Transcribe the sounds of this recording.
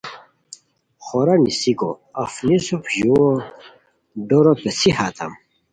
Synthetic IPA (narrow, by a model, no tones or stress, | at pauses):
χoɾanisiko̰afnisupʑuwo | ɖoɾopesihat̪ʰɐ̰m